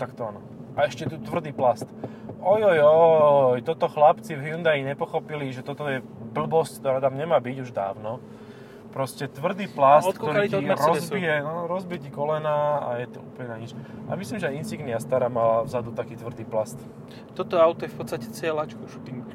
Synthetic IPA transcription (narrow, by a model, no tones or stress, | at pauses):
t̪akt̪ɔanɔ | aɛʃcɛt̪ut̪ʋr̩d̪iːplast̪ | ɔjɔjɔjt̪ɔt̪ɔxlapt͡sivɦjund̪aiɲɛpɔxɔpiliʒɛt̪ɔt̪ɔjɛbl̩bɔsckt̪ɔɾaːt̪amɲɛmaːbiɟuʒd̪a̰ːʊnɔ | pɾɔscɛt̪ʋr̩d̪iːplaskk̪ɔɾiɾɔziɛnɔɾɔzbicikɔlɛnaːa̰jɛt̪ɔṵːpl̩ɲɛnaɲit͡ʃaa̰mislimʒɛajint͡siɡniast̪aːɾamalavzad̪ut̪akiːt̪ʋrd̪iːplast̪ | t̪ɔt̪ɔawt̪ɔjɛfpɔt̪st̪acɛ̥t͡sɪɛlat͡ʃkɔʃt̪im